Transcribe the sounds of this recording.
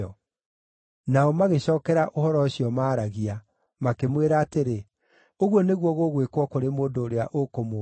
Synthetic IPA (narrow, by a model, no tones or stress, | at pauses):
ɔ | naɔmaɣeɕɔːkɛɾaʔohɔɾɔɕiɔmaːɾaɣia | makemweɾaːteɾe | oɣwɔneɣwɔɣoɣwekwɔkoɾemoːndoːɾea̰ʔokomo